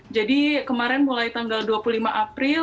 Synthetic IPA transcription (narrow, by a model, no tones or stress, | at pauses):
d͡ʒadikəmaɾɛnmulajt̪aŋɡalduapulimaʔapɾɪ